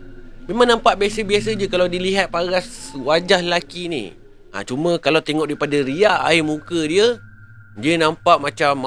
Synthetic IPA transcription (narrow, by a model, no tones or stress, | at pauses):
memãŋnãmpaʔbiasəbias̬əd͡ʒəkalawdiliɦat̪̚paɡaswad͡ʒahllakinḭ̃ | ʔa̰t͡ʃumə̃kalawt̪eŋɔʔdaipadaɾiaʔa̰imũkədiə | diənampaʔmãt͡ʃam